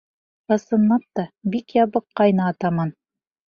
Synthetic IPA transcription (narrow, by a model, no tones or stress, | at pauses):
ɑsɤ̆nːɑp̚t̪ɑbikjɑβɤqːɑjnɑːt̪ɑmɑn